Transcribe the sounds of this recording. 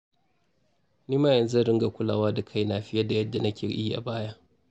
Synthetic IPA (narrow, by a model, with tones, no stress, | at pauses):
niː˦maː˦jɐ˨nza˦ɽɪ˦ŋɡa˨kʷʊ˦la̰ː˨waː˦da˨kʰa˦jnaː˨ɸɪ˦ja˦da˨jɐ˦dːa˨nɐ˦kʲʰeː˨ʔi˦ʔa̰˨baː˦ja˦ʔ